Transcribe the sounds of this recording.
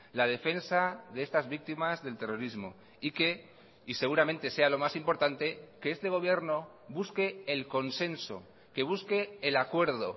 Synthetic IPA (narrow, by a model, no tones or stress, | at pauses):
lað̞e̞fe̞nsaðe̞est̪azβik̚t̪imazðe̞lt̪e̞ro̞ɾizmo̞̰ | ike̞ | ise̞ɣuɾamẽ̞nt̪e̞se̞alo̞masimpo̞ɾt̪ant̪e̞ke̞est̪e̞ɣ̞o̞β̞je̞ɾno̞ | βuske̞ːlko̞nse̞nso̞̰ | ke̞β̞uske̞ːlakwe̞ɾð̞o̞